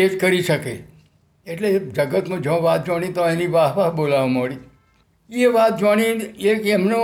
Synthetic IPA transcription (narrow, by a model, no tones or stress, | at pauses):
ed͡ʒkəɾiʃəke | eʈled͡ʒəɡət̪mũd͡ʒõʋat̪̚d͡ʒaɽ̃it̪oeniʋaɦʋaɦbolaʋmoɽi | eʋat̪̚d͡ʒwaɽ̃iekemno